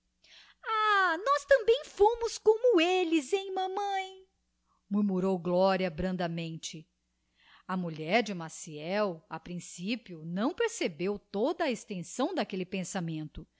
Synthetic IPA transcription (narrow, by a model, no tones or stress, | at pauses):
anɔst̪ɐ̃mbẽj̃fõmʊskõmʊelɪzẽj̃mɐ̃mɐ̃j̃ | muɾmuɾowɡlɔɾiɐbɾɐ̃nd̪ɐmẽnt͡ʃɪ | ɐmuʎɛɾd͡ʒɪmasiɛwɐpɾĩsipiʊnɐ̃w̃peɾsebewt̪od̪ɐːest̪ẽsɐ̃w̃d̪ɐkelɪpẽsamẽnt̪ʊ